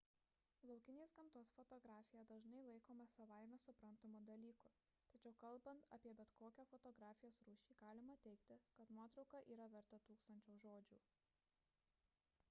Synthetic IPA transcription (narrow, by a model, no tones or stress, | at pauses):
lˠɒʊkʲɪnʲeːsɡɐmt̪oːsfɔt̪ɔɡɾaːfʲɪjɛd̪ɐʒnɐɪlˠɐɪkoːmɐsɐʋaɪmʲɛsʊpɾɐnt̪omuːd̪ɐlʲiːkʊ | t̪ɐt͡ʃʲɛʊkɐlˠˑbɐnt̪ɐ̰pʲiɛbʲɛt̪koːkʲɛːfɔt̪ɔɡɾaːfʲɪjoːsɾuːʃʲiːɡ̥ɑːlʲɪmɐt̪ʲɛɪkt̪ʲɪkɐt̪nuɔt̪ɾɒʊkɐʔiːɾɐʋʲɛɾt̪ɐt̪uːkst̪ɐnʲt͡ʃʲoʊʒoːd͡ʒʲṵː